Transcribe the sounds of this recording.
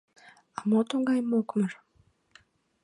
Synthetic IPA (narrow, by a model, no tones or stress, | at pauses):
amot̪oŋɡajimokʰumɾḁ